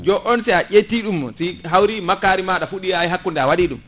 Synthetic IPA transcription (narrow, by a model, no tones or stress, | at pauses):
d͡ʒɔʔɔnsɛaʔetːiɗumːɔsiɦawɾimakːaːɾimaɗafuɗijajɦakːundɛawaɗiɗum